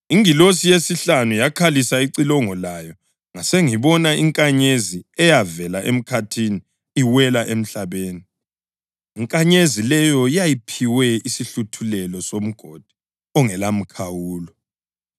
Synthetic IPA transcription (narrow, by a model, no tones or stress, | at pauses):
iŋilosijesiɬanujakʰalisaiǀilɔŋɔlajɔ | ŋaseŋiβɔnaiŋkʼaɲeziɛjavɛlaʔem̩kʰatʰini | iwɛlaʔem̩ɬaβeːni | iŋkʼaɲezilɛjɔjajipʰiwɛisiɬutʰulɛlɔsom̩ɡ̥ʱod̥ʱi̥ | ɔŋɛlam̩kʰawuːlɔ